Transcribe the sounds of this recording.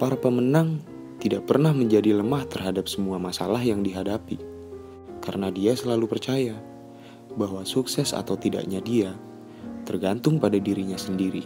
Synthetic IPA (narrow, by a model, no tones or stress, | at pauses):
paɾapəmənaŋ | t̪idaʔ̚pərnahməɲd͡ʒadiləmaht̪ərɦadap̚səmuamasalaɦjaŋdiɦadapi | kaɾənadiasəlalupərt͡ʃaja | baɦwasuksɛsa̰t̪awt̪ida̰ʔɲadia | t̪ərɡant̪ʊŋpadadiɾiɲasəndiɾi